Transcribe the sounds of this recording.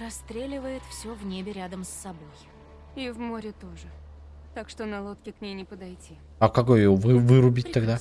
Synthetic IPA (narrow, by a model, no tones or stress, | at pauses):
rɐst̪ɾʲelʲɪvəjɪt̪fsʲo̞vnʲebʲɪɾʲad̪əmsːɐbo̞j | ivmoɾʲɪt̪o̞ʐɨ | t̪akʂt̪onɐlˠo̞t̪kʲɪknʲejnʲɪpəd̪ɐjtʲi | ɐkɐko̞jjovɨvɨɾʊbʲit̚ʲt̪aɡd̪a